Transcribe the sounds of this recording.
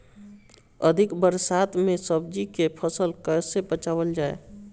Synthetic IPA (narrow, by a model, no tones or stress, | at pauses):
əd̪ʱɪkbəɾsat̪ʰmesəbd͡ʒikepʰəsəlkəjsebət͡ʃawəld͡ʒaḛ